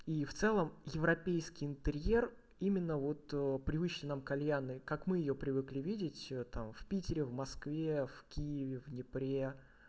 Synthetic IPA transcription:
ift̪sɛlˠəmjɪvɾɐpʲejskʲɪjɪnt̪ɨɾʲjer | imʲɪnːəvo̞t̪ːpɾʲɪvɨt͡ɕlʲɪnamkɐlʲjanɨkakmɨjɪjopɾʲɪvɨklʲivʲidʲɪtʲət̪amfpʲitʲɪɾʲɪvmɐskvʲefkʲijɪvʲɪvnʲɪpɾʲe

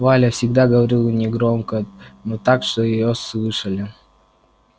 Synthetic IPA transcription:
valʲəfsʲɪɡd̪aɡəvɐɾʲilˠnʲɪɡɾomkənot̪akʂt̪ojɪjoslˠɨʂəlʲɪ

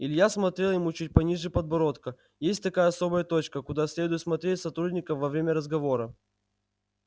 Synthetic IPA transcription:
ɪlʲjasmɐt̪ɾʲe̞lˠjɪmut͡ɕut̚ʲpɐnʲiʐɨpəd̪̚bɐɾo̞t̪kə | jesʲtʲt̪ɐkajəɐso̞bəjət̪ot͡ɕkəkʊd̪asʲlʲe̞d̪ʊjɪt̪smɐt̪ɾʲetʲsɐt̪ɾudʲnʲɪkəmvɐvɾʲemʲəɾəzɡɐvo̞ɾə

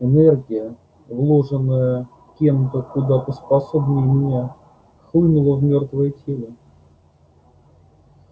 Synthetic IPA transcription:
ɪnɛrɡʲɪjə | vlˠo̞ʐɨnːəjə | kʲe̞mt̪əkʊd̪at̪əspɐsobnʲəjmʲɪnʲa | xlˠɨnʊlˠəvmʲo̞rt̪vəjətʲelˠə

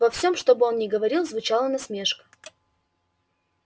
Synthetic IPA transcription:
vɐfsʲo̞mʂt̪o̞bɨo̞nnʲɪɡəvɐɾʲilˠzvʊt͡ɕalˠənɐsmʲe̞ʂkə̥

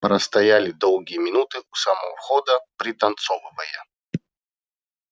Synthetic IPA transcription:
pɾɐst̪ɐjalʲɪd̪ɔlˠɡʲijəmʲɪnut̪ɨusɐmə̰xɔd̪əpɾʲɪt̪ɐnt̪sɔvɨvəjə

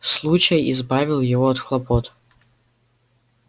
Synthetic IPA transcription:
slˠut͡ɕəjɪzbavʲɪlˠjɪvoɐt̪xlˠɐpɔt̪

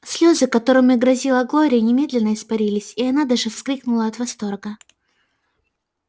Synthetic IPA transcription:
sʲlʲozɨkɐt̪o̞ɾɨmʲɪɡɾɐzʲilˠəɡo̞ɾʲɪnʲɪmʲe̞d̪lʲɪnːəɪspɐɾʲilʲɪsʲiɐnad̪aʐɨfsklʲiknʊlˠəɐt̪vɐst̪o̞rɡə

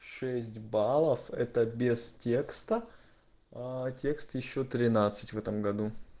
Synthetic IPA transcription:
ʂɛsʲtʲbalˠəfɛ̰t̪əbʲɪstʲekst̪ə | tʲe̞kst̪jɪɕːot̪ɾʲɪnat̪sɨ̥tʲvɛt̪əmɡɐd̪u

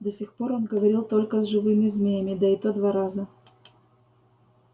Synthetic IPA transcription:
d̪ɐsʲixpoɾonɡəvɐɾʲilˠt̪olʲkəzʐɨvɨmʲɪzmʲejəmʲɪd̪ɐɪt̪od̪vaɾazə

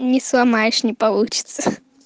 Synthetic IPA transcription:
nʲɪslˠamajʂnʲɪpalˠut͡ɕɪ̥t̪sə

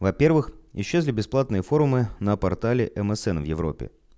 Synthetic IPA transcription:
vɐpʲe̞rvɨxɪɕːezlʲɪbʲɪsplˠat̪nɨjəfo̞ɾʊmɨnəpɐrt̪alʲɪʔɛmɛsɛnvjɪvɾo̰pʲːɪ̰

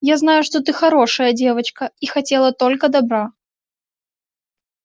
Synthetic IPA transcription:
jaznajʊʂt̪o̞t̪ɨxɐɾo̞ʂəjədʲe̞vət͡ɕkəixɐtʲe̞lˠət̪o̞lʲkəd̪ɐbɾa

